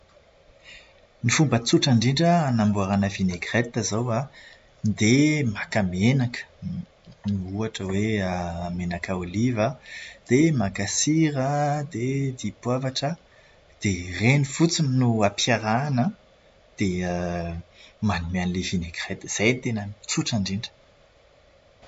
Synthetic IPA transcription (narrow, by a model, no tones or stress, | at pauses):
nifumbət͡suʈ͡ʂaɳɖ͡ʐiɳɖ͡ʐəanambuaɾanəvineɡret̪əzowa | nd̪emakamenakə̥ | niuaʈ͡ʂəweaamenakaolivad̪̥emakasiɾəd̪ed̪ipwavaʈ͡ʂə | d̪̥erenifut͡sininuapjaɾanə | d̪̥eə | manimanilevineɡret̪z̥ejnit̪enəmt͡suʈ͡ʂaɳɖ͡ʐiɳɖ͡ʐə̥